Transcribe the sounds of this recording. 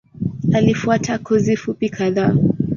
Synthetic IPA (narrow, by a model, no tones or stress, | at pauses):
alifuatʰakʰɔzifupikʰaðaː